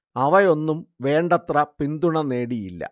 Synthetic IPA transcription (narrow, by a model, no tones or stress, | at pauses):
ɐʋɐjo̞nːumʋe̞ːɳɖɐt̪rɐpind̪uɳɐneːɽijilːɐ̰